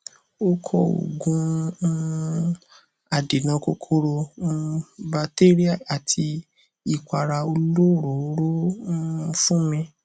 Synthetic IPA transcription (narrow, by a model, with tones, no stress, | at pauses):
o˦kʰɔ˧o̰˨ɡũ˦ | a˨de˨nã˨˧ko˧kʰo˧ɾo˧˦ | ba˧te˦ɾi˦a˦˨a˨tʰi˧ | i˦˨kʷa˨ɾa˧o˧lo˦˨ɾo˨˦ɾo˦˧˦ | fũ˦mĩ˧